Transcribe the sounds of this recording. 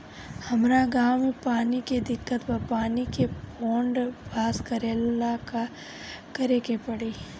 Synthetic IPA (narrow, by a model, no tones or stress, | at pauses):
hɐmɾaɡaːwmẽpaːniked̪ɪkːət̪bɐpaːnikeɔːɳɖbʱaːskəɾelaka | kɐɾekepɐɽiː